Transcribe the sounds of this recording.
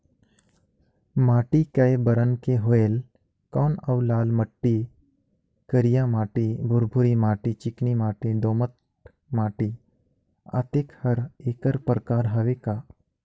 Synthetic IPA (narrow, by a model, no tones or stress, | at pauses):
maːʈikɐjbəɾənkeɦoeːl | kɔːnɐwlaːlməʈːi | kəɾijamaːʈibʱʊɾbʱʊɾimaːʈit͡ʃɪknimaːʈiɖ̪oːmət̪ | maːʈi | a̰ːt̪ekhɐɾeːkəɾpɾəkaːɾɦɐʋeka